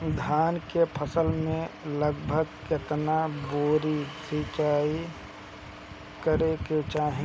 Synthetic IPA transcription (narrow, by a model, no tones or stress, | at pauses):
d̪ʱaːnkepʰəsəlmẽləɡbʱəɡkɪt̪naboːɾisɪt͡ʃaːi | kəɾeket͡ʃaːɦẽ